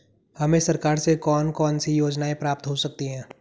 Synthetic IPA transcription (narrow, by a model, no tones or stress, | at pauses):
hɐmẽsɐɾkaːɾsekɔːnkɔːnsijoːd͡ʒnaẽpɾaːp̚t̪ɦosɐk̚t̪iɦɛ̃ː